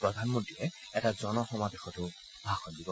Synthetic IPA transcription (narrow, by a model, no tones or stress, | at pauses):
pɹɔdʱanmɔ̃ntiɹɛ | ɛtazɔnɔxɔmadexɔtʊ | bʱaxɔndibɔ